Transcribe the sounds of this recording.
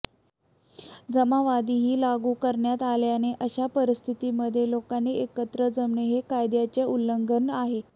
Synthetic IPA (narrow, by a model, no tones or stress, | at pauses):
d͡zəmaʋad̪iːɦiːlaɡuːkəɾɳjat̪aljaneʔəɕapəɾist̪ʰit̪iməd̪ʱːjelokaniekət̪ɾəd͡zəmɳeɦekajd̪jat͡ɕeʔulːəŋɡənaɦe